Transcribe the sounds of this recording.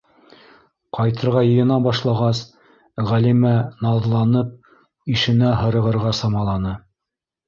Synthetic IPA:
qɑjt̪ɤ̆ɾʁɑjɤ̆jɤ̆nɑbɑʃlˠɑʁɑs | ʁælimænɑðlˠɑnɤp̚ | iʃɘ̆næɦɤ̆ɾɤ̆ʁɤ̆ɾʁɑsɑmɑlˠɑnɤ

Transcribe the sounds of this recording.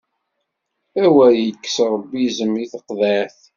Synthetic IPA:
æwæjəkːsɾˤəbːizəmiθəqðæθ

